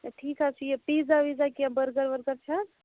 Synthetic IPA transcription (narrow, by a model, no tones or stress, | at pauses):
ʈʰikɦat͡ʃʰijepid͡ʒaʋid͡ʒakiabəɾɡəɾbəɾɡəɾt͡ʃʰə